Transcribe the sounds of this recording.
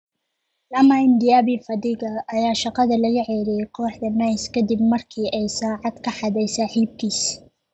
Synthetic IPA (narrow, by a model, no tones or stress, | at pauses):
lɐmaɪnd̪ɪjaːβɪfɐd̪iːɣɐʔːjaːʃɑqɑðɐlɐɣɐʕɛːɾijqʰɔːħd̪ɐnɐjskʰɐd̪ibmɐrkʰiːʔɛjsaːʕɑd̪kʰɐħɑðɛjsɑːħiːb̚kʰiːs